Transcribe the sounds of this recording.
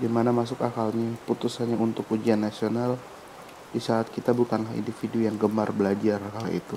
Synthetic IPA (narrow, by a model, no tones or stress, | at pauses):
dimanamas̬ʊkakalɲaput̪usanɲaunt̪ʊkud͡ʒianːasional | disaat̪̚kit̪abukanlahḭndifidujaŋɡəmarbəlad͡ʒarakala̰ḭt̪u